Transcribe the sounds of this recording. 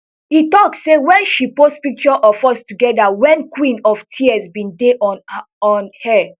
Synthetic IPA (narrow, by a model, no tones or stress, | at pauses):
hitɔksːewɛ̃nʃipostpik̚t͡ʃɔʔɔfɔstuɡɛdawɛ̃nkwĩnɔftʰiɛsbĩndeʔ | ɔnhɛ